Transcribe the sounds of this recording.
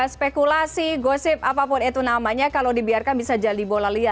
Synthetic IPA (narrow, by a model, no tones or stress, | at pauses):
spekulasiɡosɪp̚apapʊnit̪unamaɲakalodibiarkanbisad͡ʒadibolalia